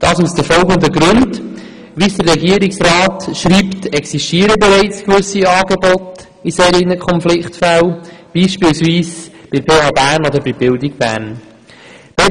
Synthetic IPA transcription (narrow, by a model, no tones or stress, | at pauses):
d̥ɑːsusd̥əfɔlɡəndəɡɾʉnd | ʋiːsd̥ərɛɡiːɾɪksɾɑːtʃɾiːptɛksiʃtiːəɾəbɛɾɛɪt͡skvʏsiɑːɡebɔt | iseːɾinəkʰɔnflɪktfælb̥iːʃpiːlsviːsb̥ɪpʰeːhɑːbæːɾnod̪əɾbɪbɪldɪɡ̚b̥æ̰ːɾn | b̥ɛ